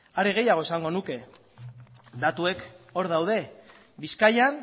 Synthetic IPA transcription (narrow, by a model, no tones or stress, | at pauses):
aɾe̞ɣ̞e̞jaɣ̞o̞esaŋɡo̞nuke̞ | d̪at̪ue̞ko̞ɾð̞awð̞e̞ | biskajan